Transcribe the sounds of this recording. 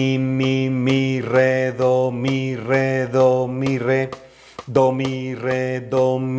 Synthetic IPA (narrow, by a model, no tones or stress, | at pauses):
mimireðomĩreðomĩɾe | d̪omiɾed̪om